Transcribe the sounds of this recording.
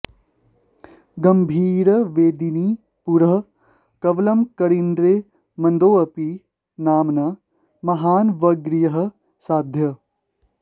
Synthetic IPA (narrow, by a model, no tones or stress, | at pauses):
ɡɐmbʱiːɾɐʋeːd̪iniː | puɾɐɦɐ | kɐʋlɐmkɐɽind̪ɾeː | mɐnd̪oːɐpi | naːmnɐ | mɐɦaːnʋɐɡɾijɐɦɐ̆ | saːd̪ʱjɐ